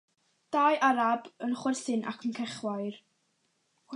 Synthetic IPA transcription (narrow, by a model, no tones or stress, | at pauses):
d̥ajʔaɾabənχwɪrθɨnʔa̰kʰənkʰɛχwajr